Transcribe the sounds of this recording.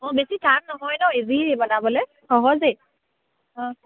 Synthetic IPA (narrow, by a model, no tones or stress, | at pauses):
ɔ̃besitʰak̚nɔɦɔjnɔezibɔnabɔlɛ | xɔɦɔze | ɔ̃